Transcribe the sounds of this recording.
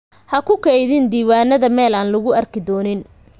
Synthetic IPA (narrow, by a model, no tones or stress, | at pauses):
hɐkʰʊkʰɛjðɪnd̪iːwaːnɐðɐmɛːlaːnlʊɣʊɐrkʰɪd̪ɔːnɪn